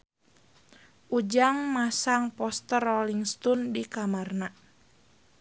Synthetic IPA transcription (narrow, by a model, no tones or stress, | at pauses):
ʔud͡ʒaŋmasaŋpɔst̪ərɔliŋst̪ɔndikamarna